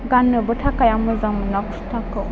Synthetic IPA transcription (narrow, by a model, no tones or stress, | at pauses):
ɡanːɯbɯtʰakajamɯzamɯnakustʰakɯ